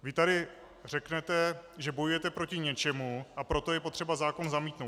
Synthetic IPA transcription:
vɪt̪aɾɪ | rɛknɛt̪ɛʒɛbo̞jujɛt̪ɛpɾo̞cɪɲɛt͡ʃɛmuʔapɾo̞t̪o̞jɛpo̞t̪r̥ɛbazaːko̞nzamiːt̪nowt

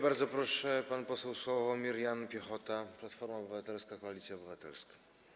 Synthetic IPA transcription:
baɾd̪zɔpɾɔʂɛpanpɔsɛwswɔvɔmʲiɾjanpʲjɛxɔt̪aplat̪fɔɾmaɔbɘvat̪ɛlskakɔalʲit̪sʲjaɔbɘvat̪ɛ̰lskḁ

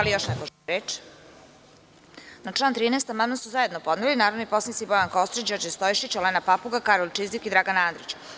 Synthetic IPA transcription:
alijoʃnɛkoɾeːt͡ʂ | naʈ͡ʂlˠaːnt̪ɾiːnest̪amanasuzaje̞d̪nopod̪nelinaːɾod̪nipo̞snit̪sibojanko̞st̪ɾit͡ɕd͡ʑoɾd͡ʑest̪ojiʃit͡ɕolenapapuɡakaɾolˠt͡ʃizd̪ikid̪ɾaɡanaːnd̪ɾit͡ɕ

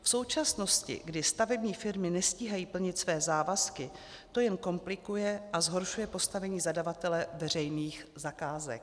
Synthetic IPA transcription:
fso̞wt͡ʃasno̞scɪ̰ɡdɪst̪avɛbɲiːfɪɾmɪnɛsciːɦajiːpl̩ɲɪt̪svɛːzaːvaskɪ | t̪o̞jɛnko̞mplɪkujɛʔazɦo̞ɾʃujɛpo̞st̪avɛɲiːzadavat̪ɛlɛvɛr̝ɛjniːxzakaːzɛ̰k̚

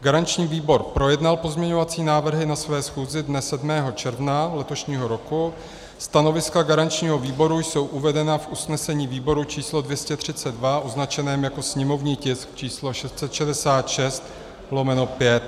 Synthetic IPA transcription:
ɡaɾant͡ʃɲiːviːbo̞ɾpɾo̞jɛdnalpo̞zmɲɛɲo̞vat͡siːnaːvr̩ɦɪnasvɛːsxuːzɪdnɛsɛdmɛːɦo̞t͡ʃɛɾvnalɛt̪o̞ʃɲiːɦo̞ɾo̞ku | st̪ano̞vɪskaɡaɾant͡ʃɲiːɦo̞viːbo̞ɾujso̞wʔuvɛdɛnafʔusnɛsɛɲiːviːbo̞ɾut͡ʃiːslo̞dvjɛscɛt̪r̝̥ɪt͡sɛd̚dvaʔoznat͡ʃɛnɛːmjako̞sɲɛmo̞vɲiːcɪskt͡ʃiːslo̞ʃɛst̪t͡sɛt̪ʃɛdɛsaːt̪ʃɛst̪ | lo̞mɛno̞pjɛt̪

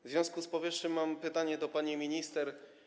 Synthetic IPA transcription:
vʲɔ̃skuspɔvʲjɘʂɲɘmːampɘt̪aɲɛd̪ɔpaɲimʲiɲist̪ɛɾ

